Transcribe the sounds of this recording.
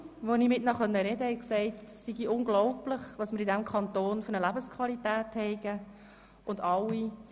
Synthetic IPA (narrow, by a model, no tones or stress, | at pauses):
ʋonimɪtnɑχœnːəɾɛd̪əhɛɪksɛɪtsiɡiʊnɡlɔʊplɪχʋɑsmɪɾidæmkʰɑnt̪oːnføɾnəlæbəskʰʋɑlitæːthɛɪɡə | ʊndɑwːis